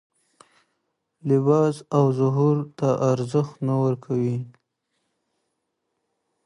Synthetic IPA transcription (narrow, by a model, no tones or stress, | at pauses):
lɪbɑzawzʊɦuɾt̪aʔaɾzəxt̪nawəɾkʰawi